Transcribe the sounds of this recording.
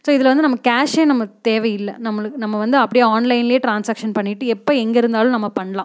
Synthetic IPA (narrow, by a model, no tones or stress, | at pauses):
soːɪðɪlʋɐnd̪ɯnɐmːɐkaːʂeːnɐmːɐt̪eːʋɐjɪlːɐnɐmːɐɭɯkːnɐmːɐʋɐnd̪ɯɐpːɐɽɪjɐaːnlɐɪnɪljeːʈɾaːnsaːkʂɐnpɐɳːɪʈːɯɛpːoɛŋɡɐɪɾɯnd̪aːlʊ̃nɐmːɐpɐɳːɐlã̰ː